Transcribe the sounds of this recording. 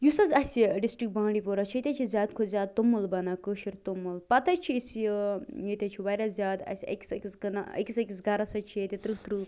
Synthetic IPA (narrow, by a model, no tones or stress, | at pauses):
jusɐzɐsʲiɖisʈɾik̚bãːɽɖipoɾɐt͡ʃʰit̪ʲɐt͡ʃʰizʲjaːd̪kʰozʲjaːd̪̚t̪umːulbɐnɐkəʃiɾt̪umulpɐt̪ɐt͡ʃʰiis | jit̪ʲɐt͡ʃʰiʋɐɾɐzʲaːd̪ɐ̰sʲɐ̰kʲsɐkʲisɡnɐ̰kʲisɐkʲisɡɐɾɐsɐt͡ʃʰiet̪ʲɐt̪ɾɨt̪ɾɨ